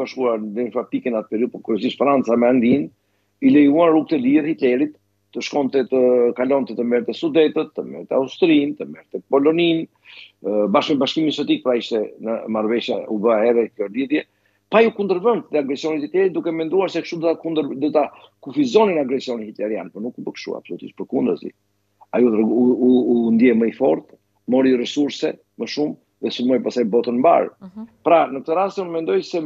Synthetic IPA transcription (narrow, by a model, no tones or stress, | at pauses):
baʃkuaɾnd̪ɛnfat̪ikɛnat̪əpɛɾiupɔkuɾɛsiʃfɾant͡samɛaŋɡ̪in | ilɛjuanruk̚t̪ɛliðhit̪lɛɾit̪ː | əʃkɔnt̪ɛt̪əkalɔnt̪ɛt̪əmɛɾt̪ɛsud̪ɛt̪ət̪ːəmɛ̰ɾt̪ɛaust̪ɾint̪əmɛɾt̪ɛpɔlɔnin | baʃmɛbaʃkimisɔt̪ik̚pɾaiʃt̪ɛnəmaɾvɛʃjaubəahɛrɛkjɔliðjɛ | pajukund̪əɾvɛnt̪tɛaɡɾɛsijɔnit̪it̪jɛɾid̪ukɛmɛnd̪uaɾsɛkʃt̪ud̪ɔt̪akund̪əɾd̪ɔt̪akufizɔninaɡɾɛsiɔniit̪lɛɾja̰npɔnukubəkʃṵa̰psɔlut̪ḭʃt̪pəɾkund̪ɾəzḭ | ajut̪ɾuːnd̪jɛməifɔɾt̪ | mɔɾirɛsuɾsɛ | məʃum | ðɛsuɾmɔjpasajbɔt̪ənmba̰ɾpɾanək̚t̪əɾast̪unmɛnd̪ɔjsɛ